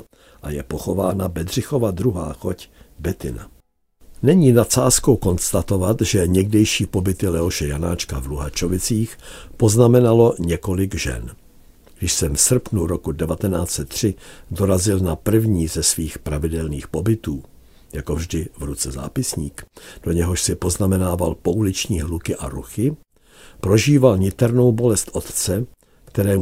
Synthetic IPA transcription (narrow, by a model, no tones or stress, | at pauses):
ʔajɛpoxo̞vaːnabɛd̪r̝ɪxo̞vad̪ɾuɦa̰ːxocbɛt̪ɪna̰ | nɛɲiːnatt͡saːskowko̞nst̪at̪o̞vat̪ʒɛɲɛɡdɛjʃiːpo̞bɪt̪ɪlɛoʃɛjana̰ːt͡ʃkavluɦat͡ʃovɪt͡siːxpo̞znamɛnalo̞ɲɛko̞lɪɡʒɛ̰n | ɡdɪʃsɛmfsr̩pnuɾokudɛvat̪ɛnaːt͡sɛt̪ːr̝̥ɪdo̞ɾazɪlnapr̩vɲiːzɛsviːxpɾavɪdɛlniːxpo̞bɪt̪uː | jako̞vʒdɪvɾut͡sɛza̰ːpɪsɲiːkd̥o̞ɲɛɦoʃsɪpo̞znamɛnaːvalpo̞ʔulɪt͡ʃɲiːɦlukɪʔa̰ɾṵxɪ | pɾo̞ʒiːvalɲɪt̪ɛɾno̞wbo̞lɛst̪ʔo̞t̪t͡sɛ | kt̪ɛɾɛː